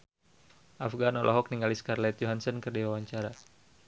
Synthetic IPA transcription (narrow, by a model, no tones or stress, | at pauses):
ʔafɡanɔlʔɔɦɔk̚niŋɡaliskarlɛt̪̚jɔɦansɔnkərdiwawaɲt͡ʃaɾa